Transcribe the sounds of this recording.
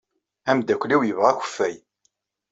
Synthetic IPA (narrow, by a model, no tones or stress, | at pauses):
æmd̪ækʷːliwjəvʁæçʷə̥fːæj